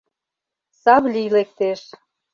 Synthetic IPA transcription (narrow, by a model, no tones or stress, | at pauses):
sɑβlʲilek̚t̪eʃ